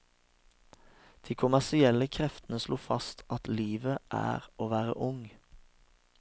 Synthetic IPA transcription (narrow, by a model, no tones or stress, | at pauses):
d̪̥iːkʰʊmæsɪɛləkʰʁɛft̪n̩əsluːfɑst̪ʰɑt̪liːʋəʔæ̰ːʁoːʋæːʁə̰ʔʊŋ